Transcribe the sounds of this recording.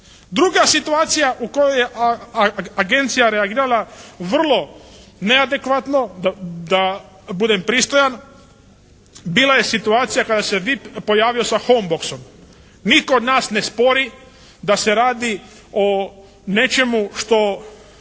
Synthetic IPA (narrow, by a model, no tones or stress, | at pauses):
d̪ɾuɡasit̪uaːt̪sijaʔuko̞jojeʔ | aɡe̞nt̪sijaɾeaɡiːɾalaʋr̩lˠo̞nead̪e̞kʋat̪no̞d̪ad̪a | bud̪empɾiːst̪o̞jan | biːlˠaje̞sit̪uaːt̪sijakad̪aseʋipo̞jaːʋiosaxombokso̞m | nit̪kood̪naːsnespo̞ɾi | d̪ase̞ɾaːd̪i | o | ne̞t͡ʃe̞muʃt̪o̞